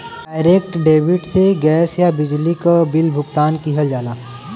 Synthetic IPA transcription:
aːɪɾek̚ʈɖeːʋɪɖseɡɛːsjabɪd͡ʒlikabɪlbʱʊɡt̪aːnkiɦəld͡ʒaːlaː

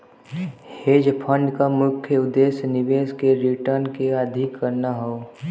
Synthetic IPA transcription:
heːd͡ʒpʰə̃ɳɖkamʊkʰjəʊd̪ːeːsnɪʋeːskeɾiʈəɾnkeəd̪ʱɪkʰːəɾnaɦoː

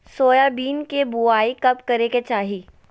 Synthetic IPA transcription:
soːjabiːnkebuaːikɐpkɐɾeket͡ʃaːɦiː

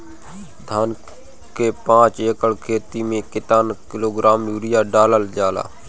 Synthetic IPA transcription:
d̪ʱaːn | keːpãːt͡ʃjəkəɽkʰeːt̪iːmẽːkɪt̪aːnkɪloːɡɾaːmjuːɾɪjaːɖaːləld͡ʒaːla̰ː

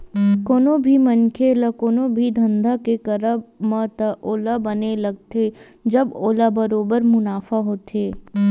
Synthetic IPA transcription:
koːnobʱimənkʰelɐkoːnobʱid̪ʱɐ̃nd̪ʱakekɐɾəbmət̪əʔoːlabənelɐɡt̪e | d͡ʒɐboːlabɐɾoːbəɾmʊnaːfaɦoːt̪eː

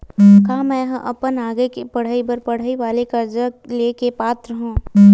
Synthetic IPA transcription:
kaːmɛ̃ːɦɐ̃ʔɐ̰pənaːɡekepɐɽ̤aːibəɾpɐɽ̤aːiʋaːlekɐɾd͡ʒəleːkepaːt̪ɾəɦũː

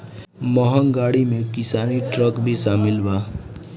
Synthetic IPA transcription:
məɦəŋɡaːɽimẽkɪsaːniʈɾəkbʱisaːmɪlbaː

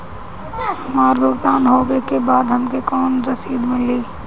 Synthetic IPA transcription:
ɦmaːɾbʱʊɡt̪aːnɦoːɡekebaːd̪ɦɐmkekɔːnɾɐsiːd̪mɪliː

